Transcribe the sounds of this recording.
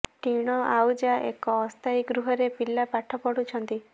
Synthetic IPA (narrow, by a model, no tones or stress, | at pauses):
ʈiɽ̃ɔʔawd͡ʒaʔekɔːst̪ʰaiɡɾuɦɔɾepilːapaʈʰɔpɔɽut͡ʃʰɔnt̪i